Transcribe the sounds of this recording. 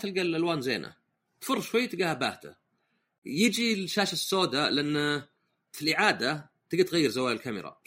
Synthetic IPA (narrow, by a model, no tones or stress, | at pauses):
t̪ɪlɡalʔalwaːnzeːna̰ | t̪fʊrːˤʃwajːt̪ɪɡahaba̰ːht̪a̰ | jɪd͡ʒilʃaːʃasːoːd̪alɪʔanː | filʔɪʕaːd̪a | t̪ɪɡat̪ɣajːɪɾzawaːjɪlkamɪ̰ɾˤɑ̰